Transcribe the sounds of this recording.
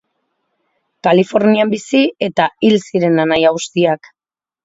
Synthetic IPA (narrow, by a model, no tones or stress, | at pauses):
kalifo̞ɾniambisie̞t̪ailsiɾe̞nanajaust̪iak